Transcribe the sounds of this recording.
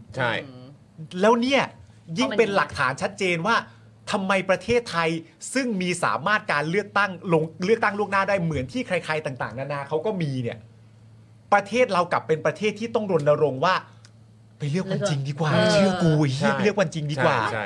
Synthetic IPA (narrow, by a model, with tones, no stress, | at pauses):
t͡ɕʰa˥˩ | lɛː˦˥wni˥˩ɐ | ji˥˩ŋpe˧nla˨˩k̚t̪ʰaː˩˦nt͡ɕʰa˦˥t̪̚t͡ɕeː˧nwaː˥˩ | t̪ʰa˧mːa˧jpɾa˧t̪ʰeː˥˩t̪ʰːa˧jsɯ˥˩ŋmiː˧sa̰ː˩˦maː˥˩t̪̚kaː˧nlɯ˥˩ək̚t̪a˥˩ŋlo˧ŋlɯ˥˩k̚t̪a˥˩ŋlu˥˩k̚naː˥˩daː˥˩jmɯ˩˦ənt̪ʰiː˥˩kʰɾa˧jkʰaː˧jt̪aː˨˩ŋt̪a̰ː˨˩ŋnaː˧naː˧kʰa˦˥wkɔː˥˩miː˧ni˥˩ɐ | pɾa˧t̪ʰeː˥˩t̪̚ɾa˧wka˨˩pːe˧npɾa˧t̪ʰeː˥˩t̪ʰːiː˥˩t̪ɔ˥˩ŋɾo˧nda˧ɾo˧ŋwaː˥˩ | pa˧jlɯ˥˩əkkwa˧t͡ɕi˧ŋdiː˧kwaː˨˩t͡ɕʰɯ˥˩kuː˧˨˩plɯ˥˩ək̚wa˧nt͡ɕi˧ŋdiː˧kkwa̰ː˨˩˥